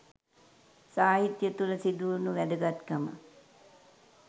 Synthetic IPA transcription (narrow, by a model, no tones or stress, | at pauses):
saːɦit̪jət̪uləsid̪unuʋæd̪əɡat̪kəmə̰